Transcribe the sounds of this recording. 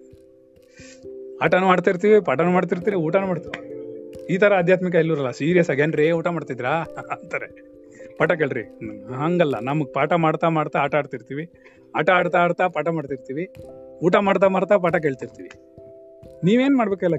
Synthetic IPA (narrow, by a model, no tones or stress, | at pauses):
aːʈɐnumaːɽt̪iɾt̪iːʋipaʈɐnumaːɽt̪̬iɾt̪iːʋiuːʈanumaːɽt̪iʋiiːt̪ʰɐɾɐːd̪ʱjaːt̪mik̬ɐelːuɾɐlːɐsiːɾijɐsaɡenɾeːuːʈamaːɽt̪ajd̪iɾaːnt̪aːɾe | paːʈɐk̬eːɭɾḭɦɐŋɡɐlːɐ̰nɐmɐɡpaːʈamaːɽt̪amaːɽt̪aːʈaːɽt̪iɾt̪iːʋi | aːʈaaːɽt̪aːɽt̪aːpaːʈɐmaːɖt̪iɾt̪iːʋiuːʈamaːɽt̪̬amaːɽt̪ap̬aːʈɐk̬eːɭt̪iɾt̪iːʋḭ | niːʋe̞ːnmaːɽbeːkɛlːɐ